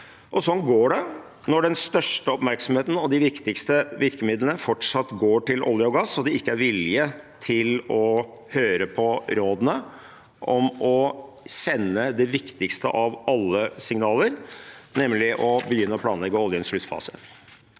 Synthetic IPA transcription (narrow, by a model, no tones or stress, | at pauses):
ʔɔsɔnɡoːɖɛ | nɔɖɛnst̪œʂʈəɔpmæɾksɔmheːt̪n̩ɔd̪ɪʋɪkt̪ɪkst̪əʋɪɾkəmɪd̪lənəfɔʈʂɑt̪ːɡoːʈɪlʔɔ̰ljəɔɡɑsːɔd̪ɛɪkːəæɾʋɪlɪət̪ʰɪlɔ | høːɾəpʰɔɾoːd̪ənə | ʔɔmɔ | sɛnːəd̪ɛʋɪkt̪ɪkst̪əʔɑʋɑlːəsɪŋnɑːləɾnɛmlɪʔɔbəjʏnːəɔpʰlɑːnlɛɡːəɔljənʂɭʉt̪ːfɑ̰ːsə̰